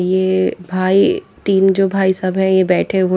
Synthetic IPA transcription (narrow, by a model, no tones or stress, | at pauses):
jeːbʱaːit̪iːnd͡ʒoːbʱaːisɐbɦɛ̃jebɛːʈʰeo